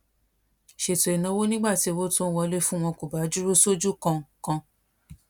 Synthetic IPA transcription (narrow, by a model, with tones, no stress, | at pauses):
ʃe˨to˨e˨nã˧˦wo˦nĩ˦ɡ͡ba˦˨ti˨˦˧wo˦to˦wɔ˧˦le˦fũ˦˧w̃ɔ̃˧ko˨ba˨˦d͡ʒu˦ɾu˦so˦d͡ʒu˦kã˧kã˧